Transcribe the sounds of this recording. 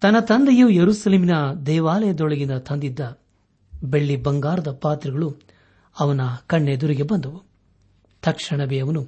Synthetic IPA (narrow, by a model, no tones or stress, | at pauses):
t̪ɐnɐt̪ɐnd̪ɐjujɐɾusɐleːminɐd̪ɛːʋaːlɐjɐd̪ɔɭɐɡind̪ɐt̪ʰɐnd̪id̪ːɐ | be̞ɭːibɐŋɡaːɾɐd̪ɐpaːt̪ɾiɡɐɭu | ɐʋɐnɐkɐɳːed̪uɾiɡebɐnd̪ɐʋu | t̪ɐkʂɐɳɐbɛjɐʋɐnu